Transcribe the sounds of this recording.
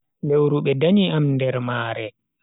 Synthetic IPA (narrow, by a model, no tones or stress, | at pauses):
lewɾuɓɛdaɲiamndɛɾmaːɾɛ